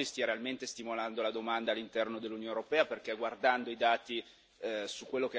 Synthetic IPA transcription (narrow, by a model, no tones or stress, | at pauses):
ist̪iaɾealment̪est̪imoland̪olad̪omand̪aːlːint̪ɛrnod̪elːunjoneuɾopɛːaperkeɡward̪and̪oid̪aːt̪i | sukːwelːoke